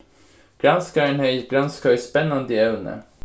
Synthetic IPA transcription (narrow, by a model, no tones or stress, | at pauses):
ɡ̥ɾɑnskɑɾeːnhœʏɡɾɑnskɑœʏspɛnɑnd̪əɛʋnə̰